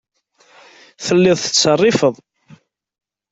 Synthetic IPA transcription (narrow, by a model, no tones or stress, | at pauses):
θəlːɪðˤθə̥t͡sːərˤːɪfəðˤ